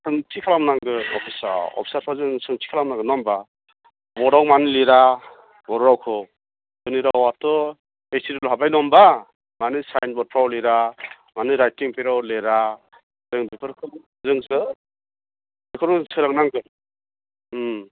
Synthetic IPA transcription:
sɯŋtʰikʰalamnaŋɡɯɔ̰pʰisa̰ɾɔ̰pʰi̥saɾpʰazɯŋsɯŋtʰi̥kʰalamnaŋɡɯnɔmba | bɔɾawmaniliɾa | bɔɾɾawkʰɯ | kɯniɾawatɔ | esiɾilɔɦabajnɔmba | manɯsajnbɔt̚pʰɾawliɾa | manɯɾajtiŋpʰeɾawleɾa | zɯŋbipʰɯɾkʰɯ | zɯŋsɯ | akʰɯɾɔsʰɯɾaŋnaŋɡɯ

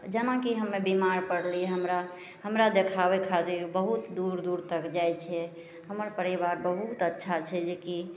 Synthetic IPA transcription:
d͡ʒənakiɦəmːebimaɾpəɽliɦəmɾa | ɦəmɾad̪ekʰabɛkʰat̪iɾbəɦut̪d̪uɾd̪uɾt̪əkd͡ʒajt͡ʃʰɛ | həməɾpəɾibaɾbəɦut̪ətːʃʰat͡ʃʰɛd͡ʒeki

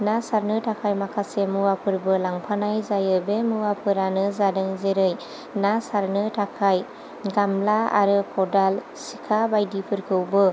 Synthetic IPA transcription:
nasaɾnɯtʰakʰajmakʰasemuwapʰɯɾbɯlaŋpʰanajzajɯbemuwapʰɯɾanɯzadɯŋzeɾɯj | nasaɾnɯtʰakʰaj | ɡamlaa̰ɾɯkʰɔdal | sikʰabajdipʰɯɾkʰɯwbɯ

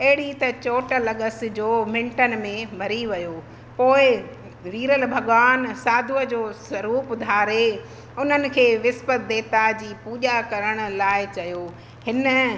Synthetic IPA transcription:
ɐɦɪɽ̤it̪ɐt͡ɕoːʈəlɐɠəsd͡ʑoːmɪ̃ɳʈənmẽmʱɐɾiʋɐjoː | poːɪ | ʋiːɾəlbʱɐɠʋaːnsaːd̪ʱuəd͡ʑoːswɐɾuːpd̪ʱaːɾe | ʊn̤ənɪ̆kʰeːʋɪspət̪̚ʰd̪eːt̪ad͡ʑiːpuːʄakɐɾəɽ̃ʊ̆laːɪt͡ɕɐjoː | hɪnə̆

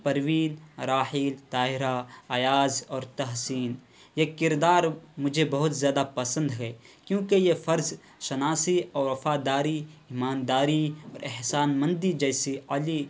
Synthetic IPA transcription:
pɐɾwiːnɾaːhiːlt̪aːɪɾaɐjaːzɔːɾt̪ɐɦsiːn | jekɪɾd̪aːɾmʊd͡ʒʱebɐɦʊt̪zjaːd̪apɐsə̃nd̪ɦɛː | kjõːkejefɐɾz | ʃɐnaːsiɔːɾwɐfaːd̪aːɾiiːmaːnd̪aːɾiɔːɾɪɦsaːnmɐ̃nd̪id͡ʒɛːɪsiɐli

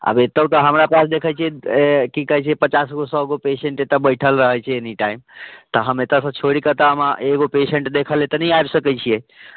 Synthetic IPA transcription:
ə̰bet̪ət̪əɦəmɾapasd̪ekʰəjt͡ʃʰiekikəɦɛt͡ʃʰiepət͡ʃasɡosɔɡopeseɳʈet̪abəɪʈʰəlɾəɦəjt͡ʃʰɛeniʈaimt̪ɔɦəmet̪asə̃t͡ʃʰoɽikət̪əəmaʔeɡopeseɳʈd̪ekʰəlet̪ənəijajbsəkɛt͡ʃʰije

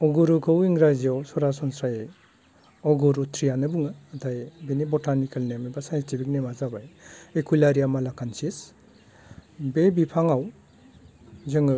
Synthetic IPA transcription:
ɔɡuɾukʰɯwiŋɾaziawsɔɾasɔnsɾaje | ɔɡuɾutʰɾijanɯbuŋaːtʰajbenibɔtʰanikʰalnemebasajnstipʰik̚nemazabajekʰulaɾijamalakʰansis | bebipʰaŋaw | zɯŋɯ

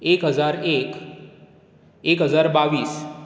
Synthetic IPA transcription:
ekɦəd͡zaɾek | ekɦəd͡zaɾbaʋiːs

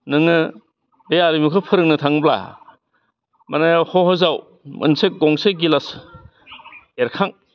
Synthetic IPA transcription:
nɯŋɯ | dejaɾimukʰɯpʰɯɾɯŋ̚nɯtʰaŋbla̰ | manajawhɔhɔzaw | mʔɯ̰nsɯk̚ɡɔŋsɯɡilas | eɾkʰaŋ

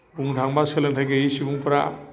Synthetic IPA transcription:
buŋdʱaŋbaselantʰajɡejisibuŋpɾa

